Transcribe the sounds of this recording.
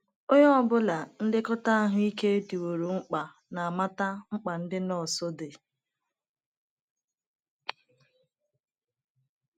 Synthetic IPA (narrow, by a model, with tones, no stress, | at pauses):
o˦ɲɔ˦ɔ˦˨bʊ˦la˨n̩˦dɪ˦kɔ˦ta˦a˦ɦʊ˦i˦ke˦e˦di˨wo˨ɾo˨ŋ͡m̩˦k͡pa˨ | na˨a˨ma˦ta˦ŋ͡m̩˦k͡pa˨n̩˦dɪ˦nɔ˦˨so˦de˨